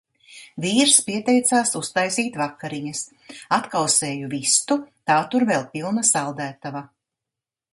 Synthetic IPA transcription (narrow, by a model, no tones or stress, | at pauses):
viːɾspiɛt̪ɛjt̪saːsust̪ajsiːt̪vakːaɾiɲɐs | at̪kawseːjuvist̪ut̪aːt̪uɾvɛlˠpilˠnasalˠd̪æːt̪ava